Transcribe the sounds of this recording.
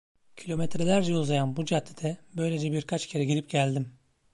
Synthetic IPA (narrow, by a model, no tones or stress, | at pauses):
cʰilʲo̞mɛt̪ʰɾelʲæɾd͡ʒɛulˠzajanbud͡ʒad̪ʰid̪ʰɛbø̞jlʲed͡ʒɛbiɾkʰat͡ʃcʰe̞ɾɛɟiɾip̚ɟælʲd̪im